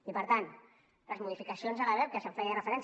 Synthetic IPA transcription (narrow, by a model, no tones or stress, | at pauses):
ipəɾt̪an | ləzmuðifikəsionzaɣaɾɛw̚kəsəɱfɛjarəfəɾɛns